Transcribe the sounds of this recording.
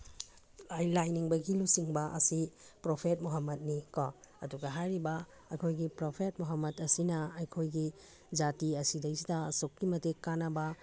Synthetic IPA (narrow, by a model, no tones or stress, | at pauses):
ajlajniŋbɐɡilusiŋbɐʔɐ̰sipɾopʰet̚muɦɐmːɐt̚nikɔɐduɡɐɦajɾibɐ | ɐjkʰojɡipɾopʰet̚muɦɐmːɐdɐsinɐɐjkʰojɡi | d͡ʒatiɐsidɐjsidɐːsokːimɐtekːanɐbɐ